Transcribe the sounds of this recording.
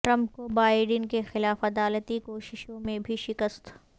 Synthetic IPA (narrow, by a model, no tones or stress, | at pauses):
ʈɾɐ̃mp̚kobaːɪɖənkexɪlaːfɐd̪aːlət̪ikoːʃɪʃõmẽbʱiʃɪkəst̪